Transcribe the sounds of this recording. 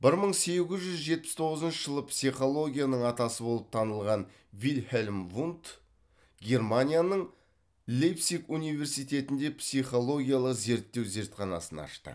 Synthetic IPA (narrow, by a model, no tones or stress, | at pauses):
b̥ɪɾməɴse̞ɡʲɪzʒʏzʒe̞t̪̚pɪst̪ʰo̞ʁəzənʃəʒəlˠəpsijχo̞lˠo̞ɡʲijanəɴɑt̪ɑsəbo̞lˠəp̚t̪ʰɑnəlˠʁɑn | vilhelʲmvunt̪ | ɡʲe̞ɾmanʲijanəɴ | lejpsikunijve̞ɾsijt̪e̞t̪ɪnd̪e̞psiχo̞lˠo̞ɡʲijalˠəqze̞ɾt̪ːe̞wze̞ɾt̪qɑnɑ̰sənɑ̰ʃt̪ə̰